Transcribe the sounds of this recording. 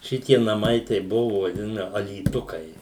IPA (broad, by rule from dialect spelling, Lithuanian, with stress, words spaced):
ˈʃʲɪtʲiɛ nɐˈmɐɪ tɐɪ ˈbʊʋoː ʋɐˈdʲɪnɐ ɐlʲiːˈtʊkɐɪ